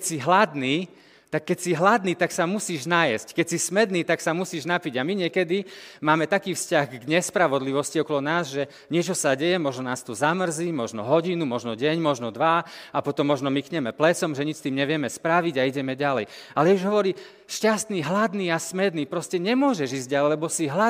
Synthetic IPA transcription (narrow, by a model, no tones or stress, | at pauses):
kɛsiɦlad̪niː | t̪akːɛcsiɦlad̪niːt̪aksamusiːʒnajɛ̰sckɛcsismɛd̪niːt̪aksamusiːʒnapiɟamiɲɪɛkɛd̪imaːmɛt̪akiːfscaɣɡɲɛspɾaʋɔd̪liʋɔsciɔkɔlɔnaːzʒɛ | ɲɪɛt͡ʃɔsaɟɛjɛmɔʒnɔnaːst̪uzamr̩ziːmɔʒnɔ̰ɦɔɟinumɔʒnɔɟɛɲmɔʒnɔd̪ʋaapɔt̪ɔmːɔʒnɔmikɲɛmɛplɛt͡sɔmʒɛɲit͡ʃst̪iːmɲɛʋɪɛmɛspɾaʋiɟaiɟɛmɛɟalɛ̰j | alɛɛuʒɦɔʋɔɾiː | ʃcast̪niːɦlad̪niːasmɛd̪niːpɾɔscɛɲɛmʊɔʒɛʒiːzɟalɛjlɛbɔsiɦla